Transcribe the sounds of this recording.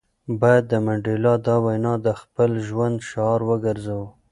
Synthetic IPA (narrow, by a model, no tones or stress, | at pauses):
bɑjad̪ːəmaɳɖelɑd̪ɑwajnɑd̪əxpəlʒwand̪ʃːɾwəɡaɾzaw